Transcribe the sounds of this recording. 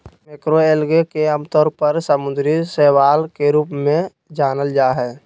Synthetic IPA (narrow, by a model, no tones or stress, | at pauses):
mekɾoelɡekeəmt̪ɔːɾpəɾsəmʊ̃nd̪ɾisɛɦwaːlkeɾuːpmẽ | d͡ʒaːnəld͡ʒaːɦɛː